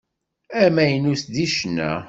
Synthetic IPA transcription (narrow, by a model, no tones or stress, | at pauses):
æmæjənusd̪iʃnæ̰